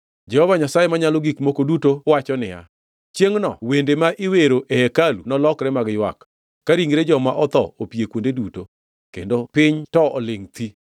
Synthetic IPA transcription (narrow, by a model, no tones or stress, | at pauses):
d͡ʒɛhɔvaɲasajemaɲalɔɡikmokodutowat͡ʃɔnɪja̰ | t͡ʃjeŋnɔ̰wendemaʔɪweɾoʔehekalunɔlɔkɾɛmaɡjwa̰kː | aɾiŋɾed͡ʒɔmaʔɔt̪ɔ̰opiekwondeduto | kendopɪɲtɔɔlɪŋt̪i